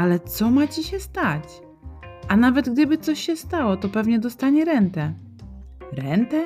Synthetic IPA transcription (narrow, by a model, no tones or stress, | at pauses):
alɛt̪sɔmat͡ɕiɕɛst̪at͡ɕ | ʔanavɛd̪ɡd̪ɘbɘt̪sɔɕɕɛst̪awɔt̪ɔpɛvɲɛd̪ɔst̪aɲɛɾɛnt̪ɛ | ɾɛnt̪ɛ